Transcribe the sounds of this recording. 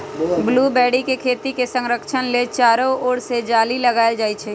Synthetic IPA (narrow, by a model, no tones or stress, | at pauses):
bluːbɛːɽikekʰeːt̪ikesə̃ŋɾəkʃənlet͡ʃaːɾooːɽsed͡ʒaːliləɡaːd͡ʒaːit͡ʃʰeː